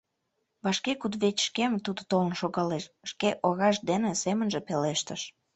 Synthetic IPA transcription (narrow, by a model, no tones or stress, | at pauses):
βɑʃkekud̪βet͡ɕʲʃkemt̪ud̪ot̪olə̆nʃoɣɑleʃʃkeʔoɣɑʃ̬d̪enĕsemənʒĕpeleʃt̪əʃ